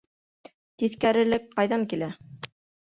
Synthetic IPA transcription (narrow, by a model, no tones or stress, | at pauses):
t̪iθkæɾɘ̆lɘk̚qɑjðɑŋkilæ